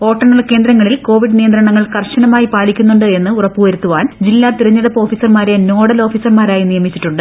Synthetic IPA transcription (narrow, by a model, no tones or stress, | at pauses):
o̞ːʈːɐɳːɐɭke̞ːnd̪ɾɐŋːɐɭilko̞ːʋiɖɨnijɐnd̪ɾɐɳɐŋːɐɭkɐrɕɐnɐmaːjipaːɭikʲːunːuɳɖɨe̞nːɨurɐpːuʋɐɾut̪ːuʋaːnd͡ʑilːaːt̪iɾɐɲːɐðɐpːo̞ːfiːsɐrmaːɾeno̞ːɽɐlo̞ːfiːsɐrmaːɾaːjinijɐmit͡ɕːiʈːuɳɖɨ